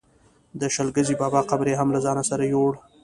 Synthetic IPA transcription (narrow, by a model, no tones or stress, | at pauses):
d̪əʃalɡəzibɑːbɑqabɾeɦamlazɑnasaɾajoɽ